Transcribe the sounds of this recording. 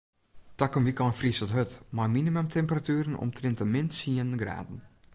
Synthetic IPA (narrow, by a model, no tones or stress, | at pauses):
takəmʋikɔnfristɔtɦøtmajminiməmtʰɛmpəratyːɾənɔ̰mtʰrɪntəmɪntsiənəɡra̰ːdn̩